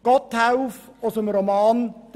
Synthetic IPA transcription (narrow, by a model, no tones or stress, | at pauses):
ɡ̥ɔtʰːaʊfɔsəmɾomɑːnd̥